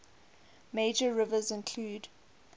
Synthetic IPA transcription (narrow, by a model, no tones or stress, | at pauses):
meɪd͡ʒəɹɪvəzɪ̃nkʰl̥uːd